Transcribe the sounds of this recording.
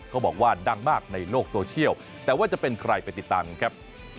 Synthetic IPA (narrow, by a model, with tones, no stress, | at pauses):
kʰaː˦˥˩bɔː˨˩k̚waː˥˩da˧˩ŋmaː˥˩k̚na˧jloː˥˩k̚soː˧t͡ɕʰi˥˩əw | t̪ɛː˨˩waː˥˩t͡ɕa˨˩pe˧nkʰɾa˧jpa˧jt̪i˨˩t̪ːaː˧mkʰɾa˦˥p̚